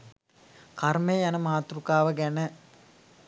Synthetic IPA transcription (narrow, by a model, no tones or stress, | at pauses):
kaɾmejjanəmaɦat̪uɾukaːʋəɡænə